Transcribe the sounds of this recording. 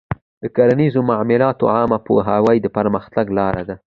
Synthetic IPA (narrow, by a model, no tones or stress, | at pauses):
d̪̥əkaɾanizomaʕmɪlɑt̪o̰ʕɑmapoɦawajd̪əpaɾməxt̪aɡlɑɾad̪a